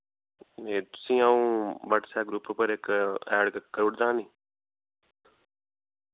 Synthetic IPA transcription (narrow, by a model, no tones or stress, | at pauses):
eːt̪ʊ̥sĩːaũːbəʈsɛːɡɾʊpːpəɾɪkɛːɽkkːəɾʊʈd̪ãːnĩː